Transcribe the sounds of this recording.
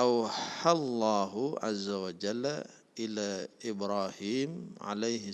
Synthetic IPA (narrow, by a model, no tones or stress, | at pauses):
ʔawħalˤːɑːɦʕa̰zːawad͡ʒalː | ʔɪlaʔɪbɾˤaːhiːmʕa̰lejhɪ